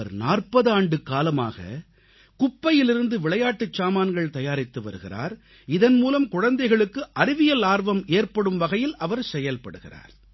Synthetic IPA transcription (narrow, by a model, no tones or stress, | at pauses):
ɐɾnaːrpɐðaːɳɖɯkːaːlɐma̰ːɣɐ̰ | kʊpːɐjɪlɪɾɯnd̪ɯʋɪɭɐjaːʈːɯt͡ʃːaːmaːnɡɐɭt̪ɐjaːɾɪt̪ːɯʋɐ̰ɾɯɣɪ̰ra̰ːɾ | ɪðɐnmuːlɐmkʊɻɐnd̪ɐɪɣɐɭɯkːɯʔɐɾɪʋɪjɐlaːɾʋɐmeːrpɐɽɯmʋɐɣɐjɪlɐʋɐɾsɛjɐlpɐɽɯɣɪra̰ːɾ